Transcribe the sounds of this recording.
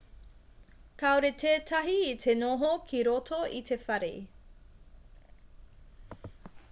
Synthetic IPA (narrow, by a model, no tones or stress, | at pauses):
kaoɾetʰeːtʰɐɦiːtʰenoɦokʰiɾotʰoʔitʰefɐɾḛ